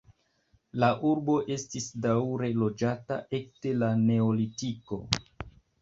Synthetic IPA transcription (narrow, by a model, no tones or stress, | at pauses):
laʔuɾbo̞ʔe̞stisdawɾe̞lo̞d͡ʒata̰ʔe̞k̚te̞lane̞olitiko̞